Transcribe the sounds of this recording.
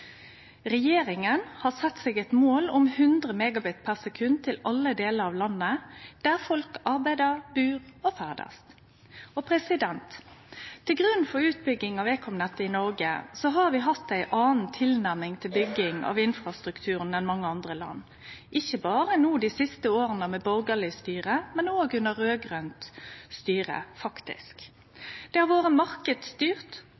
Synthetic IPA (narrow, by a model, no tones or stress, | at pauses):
ʁɛjeːɾɪŋənhɑːsɛt̪ːseːɡɛt̪moːlʊmhʉnd̪ʁəmɛɡɑbɪt̪pʰæʁsɛkʰʉnt̪ʰɪlɑlːəd̪eːləɾɑʋlɑnːəd̪̥æːʁfɔlkɑʁbæɪd̪əʁbʉːʁɔfæːʁd̪ɑ̰st̪ | ɔpʰʁɛsɪd̪ɛnt̪t̪ʰːɪlɡʁʉnːfɔɾʉːt̪̚bʏɡːɪŋɑʋeːkʰɔmnət̪ːəɪnɔɾɡəsɔɦɑʁʋɪɦɑt̪ːæɪʔɑːn̩t̪ʰɪlnæʁmɪŋt̪ʰɪlbʏɡːɪŋɑ̰ʋɪnfʁɑst̪ɾʁʉkt̪ʰʉːʁənɛnmɑŋːəɑnd̪ʁəlɑ̰nː | ʔɪçəbɑːɾənuːd̪iːsɪst̪əoːʁənəmɛbɔɾɡəlɪst̪yːʁəmɛnoːɡʉnəʁɾøːɡʁœnt̪st̪yːʁə̰fɑkt̪ɪ̰sk | d̪̥ɛhɑʁʋoːʁəmɑʁkəd̪st̪yːʁt̪